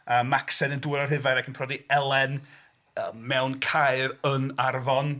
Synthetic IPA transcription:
əːmaksɛnənduːɾɔrɦɪvajɾakʰənpʰr̥ɔdiɛlˠɛn | əmɛwnkʰajrənarvɔn

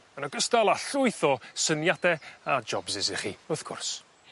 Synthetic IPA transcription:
mənɔɡəstalˠaɬʊɨθɔsənjadɛad͡ʒɔbzɪzɪχiʊθkʰʊ̰rs

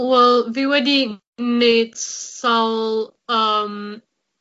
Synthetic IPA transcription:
wɛlˠviwɛdi | netsaʊl | ʌm

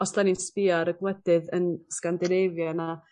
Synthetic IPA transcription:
ɔslaninspiaɾəɡwɛdɨðənskandɨnevjana

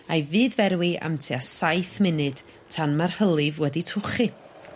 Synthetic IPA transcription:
ajvɨːdvɛɾwiʔa̰mtʰiasajθmɪnɨd̥ | tʰanmarhəlˠɪvwɛditʰʊχi

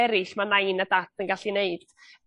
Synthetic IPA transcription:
ɛɾɪɬmanajnadatʰənɡaɬineɨd̥

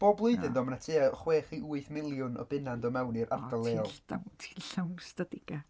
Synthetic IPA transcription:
b̥oːblˠʊɨðɨnðɔːmanatʰeːaɔχweːχiʔuɨθmɪlˠjʊnɔ̰bɪnandɔmɛwniɾʔa̰rdalˠeːɔlˠd̥a̰wtʰi̥nɬawnstadɪɡ̥a

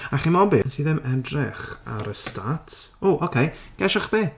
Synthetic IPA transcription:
aχimɔbɪnsiːðɛmɛdrɪχa̰ɾəstatʰoʔokʰej | ɡ̥ɛʃaχb̥eː

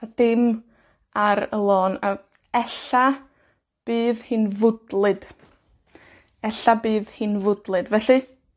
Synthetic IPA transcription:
ad̥ɪm | aɾə̰lˠoːna | ɛɬa | b̥iːðhɨːnvʊdlˠɨd̥ | ɛɬabiːðhiːnvʊdlˠɨdvɛɬɨ

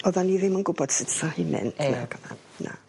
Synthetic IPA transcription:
ɔðɔniðɪmənɡʊbɔd̥sɪtʰahimɛ̰ntʰnaɡəma̰n | nʔa̰

